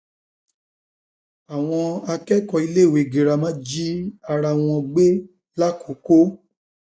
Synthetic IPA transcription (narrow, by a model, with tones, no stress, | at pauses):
a˨w̃ɔ̃˧a˧kɛ˦kɔ˧i˧le˦˨we˨ɡe˨ɾa˧mã˦d͡ʒi˦a˧ɾa˧w̃ɔ̃˧ɡ͡be˦ | la˦kʰo˨˦ko˦